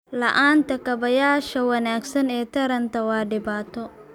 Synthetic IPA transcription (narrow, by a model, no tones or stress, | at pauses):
lɐʔaːnt̪ʰɐkɐβɐjaːʃɐwɐnaːɡsɐnɛːt̪ʰɐɾɐnt̪ʰɐwɑːɖɪbaːt̪ʰɔ